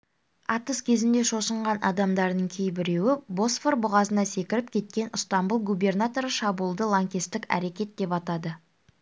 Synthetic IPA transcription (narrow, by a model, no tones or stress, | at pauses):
ɑt̪əskʲʰe̞zɪnd̪e̞ʃo̞səɴʁɑnʔɑ̰d̪ɑmd̪ɑɾd̪əɴkʲʰejbɪɾe̞wɪbo̞sforbʊʁɑzənɑse̞kʲɪɾɪp̚kʲʰe̞t̪̚kʲe̞nʊst̪ɑmbulˠɡubʲe̞rnat̪o̞ɾəʃɑbulˠd̪əlˠaŋkʲist̪ɪkʲæ̰ɾe̞kʲe̞t̪̚d̪̥e̞pɑt̪ɑd̪ə